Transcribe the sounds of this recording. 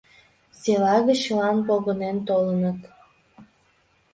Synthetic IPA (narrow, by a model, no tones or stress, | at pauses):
selɑɣə̆t͡ɕlɑnpoɣə̆nent̪olənət̪